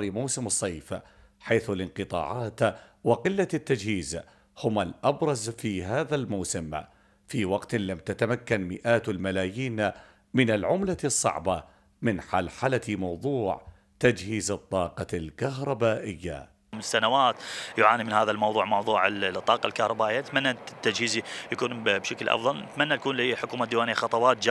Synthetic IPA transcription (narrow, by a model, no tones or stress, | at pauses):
ɾimawsɪmɨsˤːɑjːf | ħaːθlɪnqɨt̪ˤɑ̰ːʕɑːt̪wɪqɪlːat̪ːad͡ʒhiːz | hʊmalʔabɾˤɑzfiɦaːðalmawsɪm | fiwɑqt̪lamt̪at̪amakːanmɪʔaːt̪lmalaːjiːn | mɪnalʕʊmlasˤːɑ̰ʕbɑ | mɪnħalħalamɑwðˤuːʕ | t̪ad͡ʒhiːzɨt̪ˤːɑːqɑlkaɦɾˤɑbaːʔɪjːa̰ | msanawaːt̪jʊʕaːnimɪnhaːðalmɑwðˤuːʕmɑwðˤuːʕɪt̪ˤːɑːqɑlkahɾˤɑbaːʔɪjːanɪt̪manːat̪ːad͡ʒhiːzijakuːnbʃaklʔɑ̰fðˤɑlnɪt̪manːat̪akuːnliħʊkuːmad̪iːwaːnijaxɑt̪ˤɑwɑːt̪̚d͡ʒ